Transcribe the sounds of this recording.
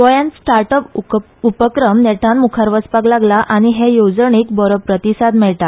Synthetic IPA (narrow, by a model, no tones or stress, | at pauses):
ʋɔjãnsʈaɾʈəp | upəkɾəmnɛʈ̪ʰãnmukʰaɾʋəspaɡlaɡlaʔaɽ̃iɦejod͡zəɳiːkbɔɾəpɾət̪isad̪mɛɭʈ̪a